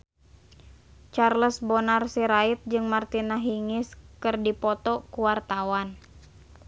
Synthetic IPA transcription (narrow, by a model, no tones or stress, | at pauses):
t͡ʃarləsbɔnarsiɾait̪̚d͡ʒɨŋmart̪inaɦiŋɪskɨrdipɔt̪ɔkuwart̪awan